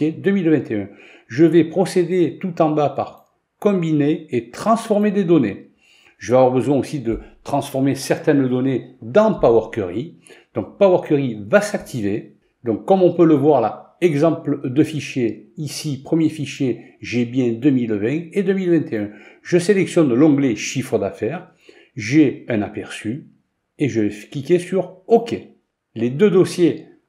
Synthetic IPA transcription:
ed̪əmilvɛ̃t̪eɛ̃ | ʒəvɛpχɔsed̪et̪ut̪ɑ̃bapa̰ʁ | kɔ̃bineːt̪χɑ̃sfɔʁmed̪ed̪ɔne | ʒəveavwaʁbəzwɛ̃osid̪ət̪χɑ̃sfɔʁmesɛʁt̪ɛnd̪ɔned̪ɑ̃pawœʁkʲəʁi | d̪̥ɔ̃k̚pawœʁkʲəʁivasak̚t̪ʰive | d̪ɔ̃kːɔmɔ̃pøləvwaʁla̰ | ɛɡzɑ̃pld̪əfiʃjeisipχəmjefiʃje | ʒebjɛ̃d̪əmilvɛ̃ed̪əmilvɛ̃t̪eɛ̃ʒəselɛksjɔnlɔ̃ɡleʃifχəd̪afɛʁ | ʒeɛ̃napɛʁsy | eʒəvɛklikʲesyʁokʲe | led̪ød̪ɔsje

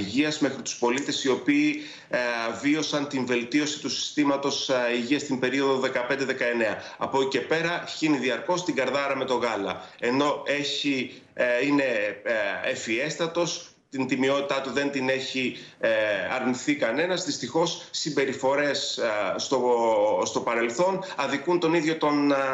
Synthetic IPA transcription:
iʝiɐzmexɾit̪u̥spo̞lit̪e̞sio̞piː | vio̞sɐnt̪iɱve̞lt̪io̞si̥t̪usi̥st̪imɐt̪o̞siʝiɐst̪imbe̞ɾio̞ðoðe̞kɐpe̞nd̪e̞ðekɐe̞ne̞ɐɐ̰po̞ce̞pe̞ɾɐçiniðiɐɾko̞st̪iɡɐɾðɐɾɐme̞t̪o̞ɣɐlɐ̰e̞no̞e̞çi | ine̞ | efie̞st̪ɐt̪o̞s | t̪int̪imio̞t̪it̪ɐt̪uðe̞nt̪ine̞çi | ɐɾniθikɐne̞nɐzðist̪ixo̞sːimbe̞ɾifo̞ɾe̞sːt̪o̞st̪o̞pɐɾe̞lθo̞nɐðikunt̪o̞niðʝo̞t̪o̞n

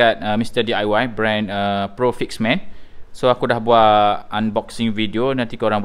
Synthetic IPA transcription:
at̪̚əmist̪ədiajwajbɾɛ̃nəpɾofiksmɛ̃nsoakudahbuaʔʔanbɔksĩŋvidionãnt̪ikəoɾãŋb

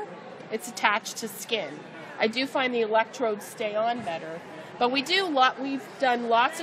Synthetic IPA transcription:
ɨtsɨtʰæt͡ʃtʰɨskɪ̃n | ʔaɪdɨfãɪ̃nðiɨlɛk̚tʰɹ̥oʊd̥steɪə̃nbɛɾə˞ | b̥ʌt̚widɨlɔʔwivdʌ̃nlɔtsʌ

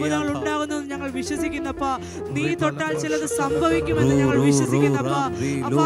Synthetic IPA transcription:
uðɐŋːɐɭuɳɖaːɣunːɐʋenːɨɲɐŋːɐɭʋiɕwɐsikʲːunːɐpːɐ | niːt̪oʈːaːlt͡ɕilɐðɨsɐmbʱɐʋikʲːumenːɨɲɐːɐɭʋiɕwɐsikʲːuːɐpːɐɐ

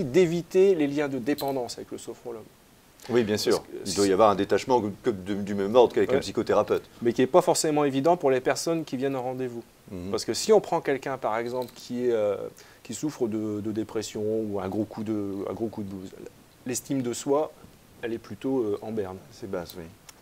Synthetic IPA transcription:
d̪evit̪eleljɛ̃d̪əd̪epɑ̃d̪ɑ̃savɛkləsɔfχɔlɔm | wibjɛ̃syʁild̪wajavwaʁɛ̃d̪et̪aʃmɑ̃kəd̪əd̪ymɛmɔʁd̪kavɛklapsi̥kot̪eʁapøt̪mɛkʲiɛpafɔʁsemɑ̃evid̪ɑ̃puʁlepɛʁsɔnkʲivjɛnɛ̃ʁɑ̃d̪evu | paʁsə̥kəsiɔ̃pχɑ̃kʲɛlkʲɛ̃paʁɛɡzɑ̃plkʲʰiɛø | kʲisufχəd̪əd̪əd̪epχɛsjɔ̃uɛ̃ɡʁokʰud̪əɛ̰̃ɡʁokud̪əbuz | lɛst̪imd̪əswa | ɛlɛplyt̪oøʔɑ̃bɛʁnsɛbazwi

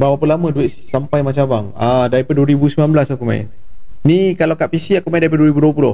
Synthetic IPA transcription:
bapapəlamə̃duet̪ssampajmat͡ʃabaŋadaɾipaduəɾibusmilanblasakuma̰ɪ̰nnikalawkaʔpisiakumaĩndaɾip̬aduəɾibuduwəp̬ulʊh

